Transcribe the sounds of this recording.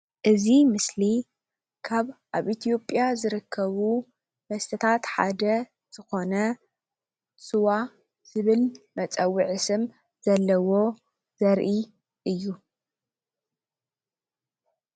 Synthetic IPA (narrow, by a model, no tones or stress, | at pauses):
ʔɨzimɨsli | kʰaβʔaβʔit̪ʰijo̞pʼjazɨɾɨkʰːɐβu | mɐst̪ʰɐt̪ʰat̪ħa̰d̪ɐ | z̥ɨxo̞nɐ | sɨwa | z̥ɨβɨlmɐt͡sʼɐwːiʕɨsɨm | z̥ɐlːɐwo̞ | z̥ɐɾʔi | ʔɨjːu